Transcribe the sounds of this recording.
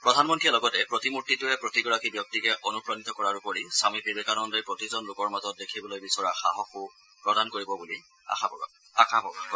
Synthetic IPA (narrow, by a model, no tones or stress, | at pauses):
pɹɔdʱanmɔntɹijalɔɡɔtɛpɹɔtimutːitʊɛpɹotiɡɔɹakibjɔk̚tikɛʔɔnupɹanitɔkɔɹaɹupoɹisamibibekanɔndejpɹɔtizɔnlʊkɔɹmazɔt̚dekʰibɔlojbisɔɹaxa̰ɦɔxu | pɹɔdankoɹibɔbuli | a̰xabɔɔ̰ | akabɔa